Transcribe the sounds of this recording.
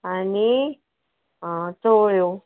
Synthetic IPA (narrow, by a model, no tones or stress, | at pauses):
ani | t̪oːɭjoː